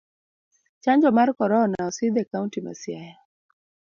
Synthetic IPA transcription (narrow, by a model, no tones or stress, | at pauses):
t͡ʃaɲd͡ʒɔmaɾkɔɾɔɔnaɔsiðɛkauntima̰siaja